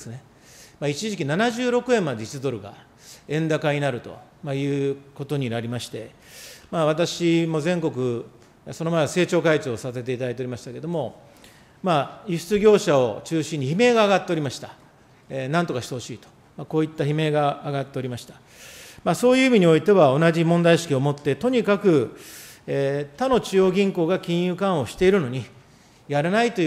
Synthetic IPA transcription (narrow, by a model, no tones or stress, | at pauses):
d̪esɨne̞ | mait͡ɕiʑikʲinanaʑɨːɾo̞kɯ̟ẽ̞mːad̪e̞i̥t͡sɨd̪o̞ɾɯɡa̰ | ẽ̞nd̪akaɲ̟inaɾɯ̟t̪o̞̰majɯ̟ːko̞t̪o̞ɲ̟inaɾʲimaɕi̥t̪e̞ | maːβat̪̬aɕimo̞zẽ̞ŋko̞k̬ɯ̟ | so̞no̞maease̞ːt͡ɕo̞ːkait͡ɕoːsase̞t̪̬e̞it̪ad̪ait̪eoɾimaɕi̥t̪aked̪o̞mo̞ | maiɕɨ̥t͡sɨɡʲo̞ːɕao̞t͡ɕɨːɕĩɲ̟ːiçime̞ːɡaːɡat̪ːe̞o̞ɾʲimaɕi̥t̪ḁ | nãnt̪o̞kaɕi̥t̪e̞ho̞ɕiːt̪o̥ | mako̞ːit̪ːaçime̞ːɡaːɡat̪ːe̞o̞ɾʲimaɕi̥t̪ḁ | maso̞ːjɯ̟ːimʲiɲ̟io̞it̪e̞βao̞naʑimõ̞nd̪aiɕi̥kʲio̞mo̞t̪ːe̞t̪o̞ɲ̟ikakɯ̟ | et̪ano̞t͡ɕio̞ːɡʲĩŋko̞ːɡakʲĩɰ̃jɯ̟ːkãɰ̃o̞ɕi̥t̪e̞iɾɯno̞ɲ̟i | jaɾanait̪o